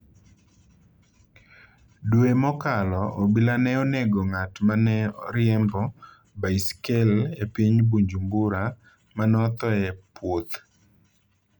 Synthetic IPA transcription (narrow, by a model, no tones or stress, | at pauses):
dwemɔkalɔʔɔbilanɛoneɡɔŋatmanɛɾɪjɛmbɔ | baiskelepiɲbuɲd͡ʒumbʊɾa | manɔt̪ɔɛpwot̪